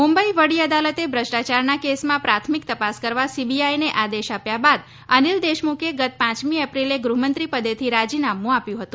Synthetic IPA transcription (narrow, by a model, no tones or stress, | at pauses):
mumbəiʋəɽiəd̪alət̪ebʱɾəʃʈat͡ʃaɾnakesmãpɾat̪ʰmik̚t̪əpaskəɾʋasibiajneʔad̪eʃapjabad̪ | ənild̪eʃmukʰeɡət̪̚pãt͡ʃmiəpɾileɡɾuɦmənt̪ɾipəd̪et̪ʰiɾad͡ʒinamũapjũɦət̪ũ